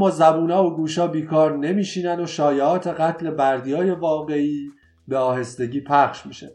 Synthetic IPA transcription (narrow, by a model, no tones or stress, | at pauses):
ɒːzæbuːnɒːvoɡuːʃɒːbiːkʰɒːɾne̞miːʃiːnænoʃɒːjeɒːt̪ʰe̞ɣæt̪ʰle̞bæɾd̪ijɒːje̞vɒːɣe̞iː | be̞ɒːhe̞st̪e̞ɟiːpʰæχʃmiːʃḛ